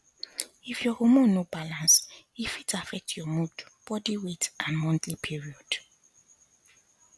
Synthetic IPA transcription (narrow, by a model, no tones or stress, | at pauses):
ifjɔhomɔ̃nobalãns | ifitʰafɛk̚tʰjɔmudb̥ɔdiwetʔãnmɔ̃ntlipʰiɹiɔd̥